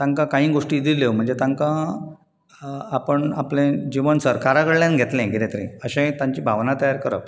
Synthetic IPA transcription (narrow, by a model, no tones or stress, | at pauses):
t̪ãŋkakãɦĩːɡoʂʈiːd̪ileʋm̤əɳd͡zet̪ãŋkã | apəɳaplẽd͡ʑiʋənsəɾkaɾaɡəɽljanɡʱet̪lẽɡʱiɾet̪əɾḭ̃əɕẽt̪ãɲt͡ɕiːbʱaʋnat̪əjaɾkəɾə̰